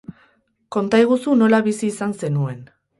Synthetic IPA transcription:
ko̞nt̪ajɣ̞usuno̞laβisiːsanse̞nue̞n

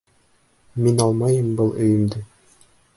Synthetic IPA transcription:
minɑlˠmɑjɤmbɤlˠɵ̆jɘ̆md̪ɘ

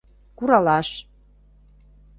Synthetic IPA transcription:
kuɾɑlɑʃ

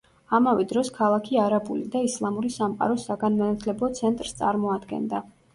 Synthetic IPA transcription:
amavɛd̪ɾɔskʰalˠakʰiaɾabulid̪aislˠamuɾisamqʼa̰ɾɔsaɡanmanat̪ʰlɛbˠɔt̪sʰɛnt̪ʼɾst̪sʼa̰ɾmɔad̪ɡɛ̰nd̪a

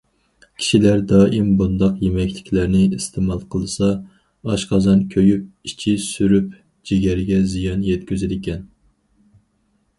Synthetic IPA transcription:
kʲʰi̥ʃilæɾd̪ɑːʔimbund̪ɑqjemɛkʲlɪkʲʰlæɾnɪist̪ʰemɑlˠqʰəlˠɨsɑ | ɑʃqʰɑzɑnkʲʰøjyp̚it͡ʃʰisyɾyp | d͡ʒeɡʲɛɾɪɡʲɛzijɑnjɛt̪kʲyzɪd̪ɪkʲɛn

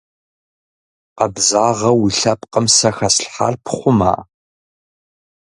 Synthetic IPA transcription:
qɐbzaːʁɐwiɬɐpqəmsɐxɐsɬħa̰rpʰχʷʊma̰ː

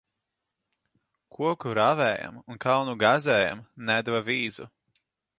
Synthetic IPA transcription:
kʰuɔkuɾavɛːja̰munkʰawnuɡazɛːja̰mnæd̪vaviːzu

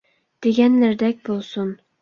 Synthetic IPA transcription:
d̪̥eɡʲænlɪɾd̪ɛkʲbolˠsʊn

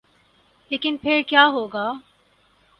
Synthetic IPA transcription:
leːkɪnpʰɪɾkjaːɦoːɡaː

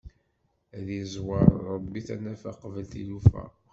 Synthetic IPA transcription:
ðizwɑɾˤɾˤəbːiθænæfæqvəlθḭlufæ̰

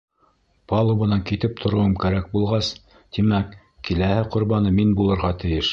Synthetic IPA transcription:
pɑlˠoβɤ̆nɑŋkit̪ɘp̚t̪ʰŏɾŏwɤmkæɾæk̚bulˠʁɑs | t̪imæk | kilæhɘqŏɾβɑnɤminbulˠɤ̆ɾʁɑt̪ɘ̆jɘʃ

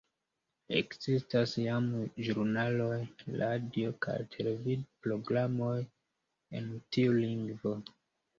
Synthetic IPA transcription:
e̞̰kz̥istasjamʒuɾunalo̞jlʔadiokʰa̰jtʰe̞le̞vidpɾo̞ɡɾamo̞j | e̞̰ntiuliŋɡvo̞

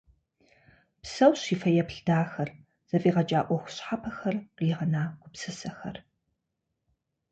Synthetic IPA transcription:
psɐwɕiːfɐjɛpɬd̥aːxɐr | z̥ɐfʼiːʁɐt͡ʃʼaːʔʷɔxʷʊ̥ɕħapʰɐxɐrqiːʁɐnaːɡʷʊpsɨsɐxɐ̰r

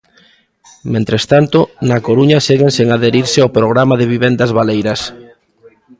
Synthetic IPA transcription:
mẽnt̪ɾest̪ant̪onakoɾuɲaseɣeŋseŋaðeɾiɾsɪawpɾoɣ̞ɾamaðeβiβend̪azβalejɾɐs

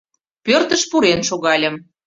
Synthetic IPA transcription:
pørt̪ə̆ʃpuɾenʃoɣɑlʲə̆m

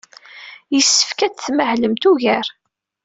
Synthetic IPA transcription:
jəsːə̥fkæt͡sθməhləmt̪uʝæɾ

